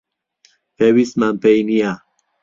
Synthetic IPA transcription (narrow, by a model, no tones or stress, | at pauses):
pʰewismampejnija